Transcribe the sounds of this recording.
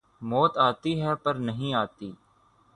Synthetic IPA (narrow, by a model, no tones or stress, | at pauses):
mɔːt̪aːt̪iːɦɛːpəɾnəɦĩːaːt̪iː